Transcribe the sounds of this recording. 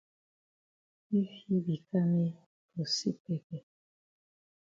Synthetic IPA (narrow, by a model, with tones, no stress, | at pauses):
i˦fi˦bi˨ka˦mi˦ | ko˨sḭ˦pɛ˦kɛ˨